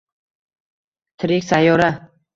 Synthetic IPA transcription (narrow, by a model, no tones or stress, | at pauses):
t̪ʰɪɾɪkʲsajoɾa